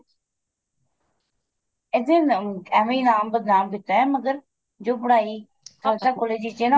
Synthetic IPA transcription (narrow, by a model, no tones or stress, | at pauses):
ɪd̪eːnɛːʋiːnaːmbəd̪naːmkɪt̪aɛːməɡəɾ | d͡ʒoːbəɽaːiː | t̪ʰəlt̪aːkoːleːd͡ʒiːt͡ʃeːna